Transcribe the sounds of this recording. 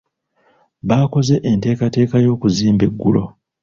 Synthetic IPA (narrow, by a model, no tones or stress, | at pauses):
βaːko̞ze̞ʔente̞ːkate̞ːkajo̞ːkuziːmbe̞ɡːulo̞